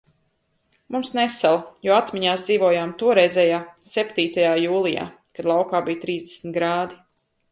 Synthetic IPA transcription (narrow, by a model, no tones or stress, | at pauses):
mumsnɛsalˠajuːat̪miɲaːsd̪ziːvuɔjaːmt̪uɔɾɛjzʲɛːjaːsɛpt̪iːt̪ajaːjuːlˠija̰ː | kad̪lˠawkaːbijt̪ɾiːzd̪ɛsnt̪ɡɾaːd̪i